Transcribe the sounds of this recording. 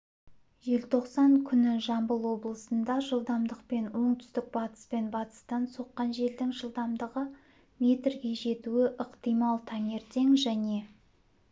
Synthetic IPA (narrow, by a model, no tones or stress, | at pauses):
ʒe̞lt̪ʰo̞qsɑŋkʲʰʏnɪʒɑmbəlˠwo̞blˠəsənd̪ɑʒəlˠd̪ɑmd̪əqpe̞nwo̞ɴt̪ʰʏ̥st̪ɪk̚bɑt̪ə̥spe̞nbɑt̪ə̥st̪ɑnso̞qːɑnʒe̞ld̪ɪŋʒəlˠd̪ɑmd̪əʁə | me̞t̪rɡʲe̞ʒe̞t̪uɪʔəqt̪ijmɑlˠt̪ʰɑŋe̞ɾt̪ʰe̞ŋʒæne̞